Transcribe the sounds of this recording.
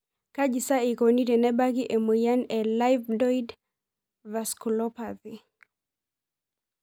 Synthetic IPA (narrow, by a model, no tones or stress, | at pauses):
kaʄisaikɔnitɛnɛbakiʔɛmɛjanɛlajvdɔid | vaskulɔpaði